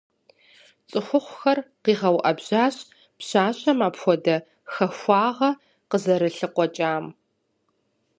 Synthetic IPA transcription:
t͡sʼɨxʷʊχʷxɐrqiːʁɐwʔɐbʑ̥aːɕʼ | pɕaːɕʼɐmaːpxʷɔdɐ | xɐxʷɑːʁɐ | qəzɐɾɨɬɨqʷɔt͡ʃʼaːm

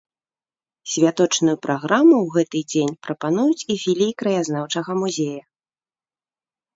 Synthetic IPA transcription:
sʲvʲat̪ɔt͡ʂnujupɾʔaɣɾamuwɣɛt̪ɨd͡zʲenʲpɾɐpan̪ujut͡sʲifʲilʲikɾɐjazn̪awt͡ʂɐɣɐmuzʲejɐ

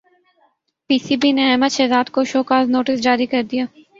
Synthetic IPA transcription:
piːsiːbineɛːməd̪ʃɛːzaːd̪koʃoːkaːznoːʈɪsd͡ʒaːɾikɐɾd̪ijaː

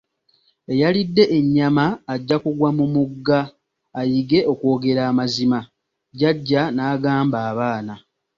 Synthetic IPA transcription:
e̞jalidːe̞ʔeɲːamaːɟːakuɡwamumuɡːaː | jiɡe̞ʔo̞kwo̞ːɡe̞ɾaːmazima | ɟaɟːanaːɡaːmbaːβaːna

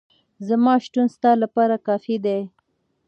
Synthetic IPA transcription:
zamɑʃʈunst̪ɑlapɑɾakɑfid̪e

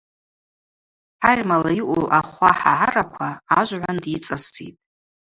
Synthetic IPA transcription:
arʲmalaiʔʷuʔaχʷaħa̰ʕarakʷʰaːʒʷʕʷandit͡sʼasḭtʼ

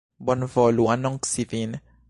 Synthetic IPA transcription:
bɔnvɔluwanɔŋksivinɛ

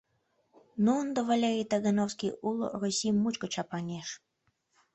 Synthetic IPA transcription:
nuond̪əvalʲeɾʲijt̪aɣənowskʲijulˠo̰rusʲimːut͡ɕkot͡ɕɑpɑnʲeʃ

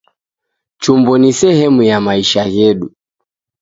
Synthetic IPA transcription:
t͡ʃumbɔnisɛhɛmujamaiʃajɛɗu

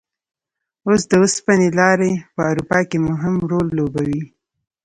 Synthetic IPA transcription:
osd̪əʊspənelɑɾepəawɾupɑkemʊɦɪmɾolːobawi

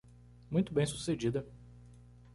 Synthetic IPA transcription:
mũj̃t̪ʊbẽj̃su̥sed͡ʒid̪ɐ

